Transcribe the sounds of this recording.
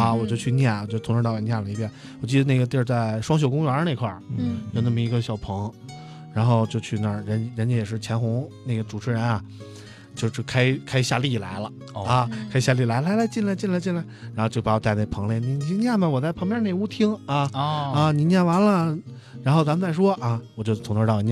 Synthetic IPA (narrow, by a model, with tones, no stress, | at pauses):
ɐ˧wɔ˨˩t͡ɕjo˥˧ʊt͡ɕʰy˧njɛ˥˩nwt͡ɕjo˥˧˩t̪ʰɻ̩˥˧ɑ˥˧˩jɛ˨˩njɛ˥˩nlə˩i˧˥pjɛ˥˩n | wɔ˨˩t͡ɕi˥˩d̪ə˩ne˥˩ɡə˩t̪jɛ˥˧˥t͡sa˥˩ɪʂwɑ˥ŋɕ̬o˨˩ʊkʊ˥ŋɥɛ˧˥ne˥˧ɪkʰwa̰˥˩jo˥˧ʊna˥˩mə˩i˧˥ɡə˧ɕjɑ˨˩ʊpʰɤ˧˥ŋ | ɻa˧˥nxo˥˧ʊt͡ɕjo˥˧ʊt͡ɕʰy˥˩na˥˩ɻə˧˥n˧˥ɻə˧˥nt͡ɕɛ˧˥jɛ˨˩ʂɻ̩˥˩t͡ɕʰjɛ˧˥nxʊ˧˥ŋne˥˩ɡə˩ʈ͡ʂu˨˩ʈ͡ʂʰɻ̩˧˥ɻə˧˥nɐ˧ | t͡ɕjo˥˧ʊʂy˥˩kʰa˥ɪkʰa˥ɪɕja˥˧li˥˩la̰˧˥ɪlə˧ | a˧kʰɪɕja˥˧li˥˩la˧˥ɪla˧˥la˧˥ɪt͡ɕi˥˩nla˧ɪt͡ɕi˥˩nla˧ɪt͡ɕi˥˧nla˧˥ɻa˧˥xo˥˧t͡ɕo˥˩ʊ˩pa˧˥˩t̪a˥˧ɪne˥˩ə˩pʰɤ˧˥ŋlɛ˧˩ni˧˥ni˧˥nja˥˩mə˨wɔ˨˩t͡sa˥˩pʰɤ˧˥ŋpjɛ˥˧˥ne˥˩ɪu˥t̪ʰi˥ŋa˥˧a˥˧ni˨˩nja˥˩wa˧˥nlə˧ | ɻa˧˥nxo˥˧˩t͡sa˧˥mə˧nt͡sa˥˩ɪʂwɔ˥ɐ˧wɔ˨˩t͡ɕjo˥˧ʊt̪t͡s̪ʰʊ˧˥ŋt̪ə˥˧ʈ͡ʂɑ˥˩i˧˥ɲj